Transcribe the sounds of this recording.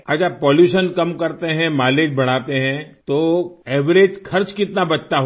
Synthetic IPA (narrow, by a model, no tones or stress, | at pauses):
ɐd͡ʒəpɔːljuːʃənkɐmkɐɾt̪eɦɛ̃maːleːd͡ʒbɐɽ̤aːt̪eɦɛ̃t̪oɛːʋɾeːd͡ʒkʰɐɾt͡ʃkɪt̪nabɐt͡ʃt̪aɦo